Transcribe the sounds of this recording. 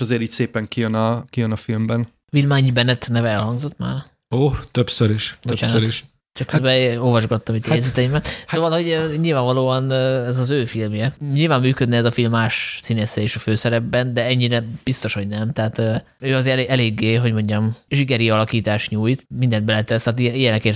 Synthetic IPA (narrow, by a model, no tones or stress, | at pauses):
ʃɒzeːɾiːcʲseːpɛŋkijønɒkijønɒfilmbɛn | vilmaːɲibɛnːɛt̪nɛvɛɛlhɒŋɡzo̞t̪ma̰ːr | oːt̪øpsøɾiʃbot͡ʃaːnɾiʃ | t͡ʃɒkːøzbɛoːlvɒʒɡɒt̪ːɒmit̪ːɛjzɛt̪ɛimɛt̪soːvɒlho̞ɟøɲilvaːɱvɒloːɒnːɛzɒzøːfilmjɛɲilvaːmːyːkød̪nɛɛzɒfilmːaːʃsineːsɛeːʃɒføːsɛɾɛbːɛnd̪ɛɛɲːiɾɛb̥ist̪o̞ʃho̞ɟnɛmt̪ɛːt̪øː | øːɒzeeʔɛleːɡːeːɦo̞ɟmo̞ɲɟɒmʒikɛɾiɒlɒkiːt̪aːʃɲuːjt̪mind̪ɛnd̪bɛlɛt̪ɛst̪aːt̪̬iijɛnɛkeːr